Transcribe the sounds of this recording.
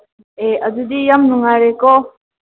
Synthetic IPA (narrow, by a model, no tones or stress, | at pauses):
eəd͡ʒud̪ijamnuŋaɾekɔ